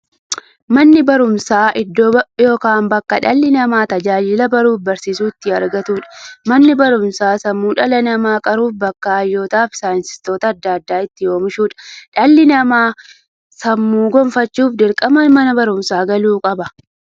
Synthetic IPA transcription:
mɐnːɪbɐɾʊmsaːʔɪd̪ːojoːkaːnbɐkːɐᶑɐlːɪnɐmaːt̪ɐd͡ʒaːd͡ʒɪlɐbɐɾuːfbɐɾsiːsuːɪt̪ːɪɐ̰ɾɡɐt̪uːᶑɐ̥mɐnːɪbɐɾʊmsaːsɐmːuːᶑɐlɐnɐmaːkʼɐɾuːfbɐkːaːjːo̞ːt̪aːfsaːjɪnsɪ̥st̪o̞ːt̪ɐːd̪ːaːɐd̪ːaːɪt̪ːɪjo̞ːmɪʃuːᶑɐ̥ᶑɐlːɪnɐmaː | sɐmːuːɡɔmfɐt͡ʃːuːfd̪ɪɾkʼɐmɐnmɐnɐbɐɾʊmsaːɡɐluːkʼɐbɐ

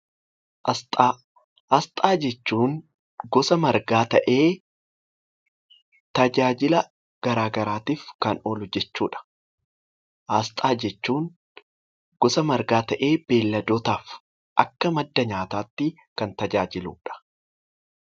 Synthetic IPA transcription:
ʔɐst̪ʼa | ʔɐst̪ʼaːd͡ʒɛt͡ʃːuːŋ | ɡɔsɐmɐɾɡaːt̪ɐʔeː | t̪ɐd͡ʒaːd͡ʒɪlɐ | ɡ̥ɐɾaːɡɐɾaːt̪iːfkɐnoːlʊd͡ʒɛt͡ʃːuːᶑɐ̥ | ʔɐst̪ʼaːd͡ʒɛt͡ʃːuːŋ | ɡ̥ɔsɐmɐɾɡaːt̪ɐʔeːb̥e̞ːlːɐd̪oːt̪aːf | ʔɐkːɐmɐd̪ːɐɲaːt̪aːt̪ːɪ | kɐnt̪ɐd͡ʒaːd͡ʒɪlṵːᶑɐ̥

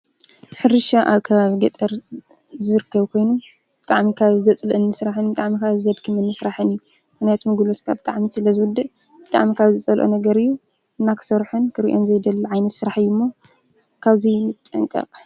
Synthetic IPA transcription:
ħɨɾɨʃaʔaβkʰɐβaβiɡɐt̪ʼɐɾ | zɨɾɨkːɐβkʰo̞jnu | b̥ɨt̪ʼaʕmikʰaβzɐt͡sʼlʔɨnːɨsɾaħɨnbɨt̪ʼaʕmikʰaβzɐd̪kʰɨmɨnːɨsɾaħɨnɨjːu | ɨxnajat̪mɨɡlo̞t̪kʰabɨt̪ʼaʕmisɨlɐzɨwʊd̪ːɨʔ | b̥ɨt̪ʼa̰ʕmikʰaβzɨt͡sʼɐlʔo̰nɐɡɐɾɨjːu | ʔɨnːakʰɨ̥sɐɾħɨnkʰɨɾiʔo̞nzɐjd̪ɐlːʕajnɐt̪sɨɾaħɨjːumːo | kʰaβzimɨt̪t̪ʼːɐ̰ŋkʼɐ̰qʼ

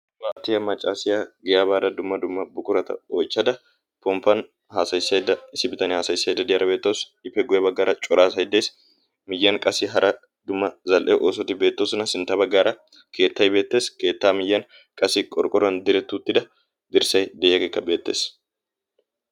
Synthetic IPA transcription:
waːʔt̪ɪjɐmɐt͡ʃʼːaːsɪjaɡɪjaːbaːd̪ɐd̪ʊmːɐd̪ʊmːɐbʊkʼʊɾɐt̪ɐ̰ojt͡ʃːɐd̪ɐ | pɔmpɐn | haːsɐjsːɐjd̪ɐɪsɪbɪt̪ɐnɪhaːsɐjsːɐjd̪ːɐd̪ɪjɐɾɐbeːt̪ːoːs | ɪfɛɡʊjɛbɐɡːaːɾɐt͡ʃʼʊɾaːsɐjɪd̪eːs | mɪjːɐŋkʼɐsɪɦɐɾʔɐ | d̪ʊmːɐzɐlʔɛʔoːsɔt̪ːɪbe̞ːt̪ːoːsɔnɐsɪnt̪ɐbɐɡːaːɾɐ | kʰe̞ːt̪ːɐjbe̞ːt̪ːe̞ːske̞ːt̪ːaːmɪjːɐn | kʼɐsɪkʼɔɾkʼɔɾɐnd̪ɪɾɛt̪ːuːt̪ːɪd̪ɐ | d̪ɪɾsɐjd̪ɪːjɐkeːkːɐbe̞ːt̪ːḛːs

